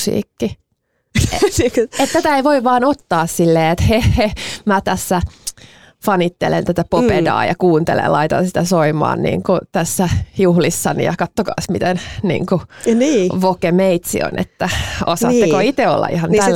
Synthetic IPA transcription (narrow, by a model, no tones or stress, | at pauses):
sḭːkːi | et̪t̪æt̪æeiʋoiʋʋɑːnot̪ːɑːssilːeːet̪hehemæt̪æsːæ | fɑnit̪ːḛlḛnt̪æt̪æpopedɑ̰ːjɑ̰kuːnt̪elḛlɑit̪ɑ̰nsit̪æsoimɑ̰ːnnḭːŋkut̪æsːæjuhlisːɑnḭjɑkɑt̪ːokɑ̰ːsmit̪ennḭːŋkuniːʋokemeit̪sḭo̰nʔḛt̪ːæosɑt̪ːekoit̪eo̰lːɑ̰ḭhɑnælː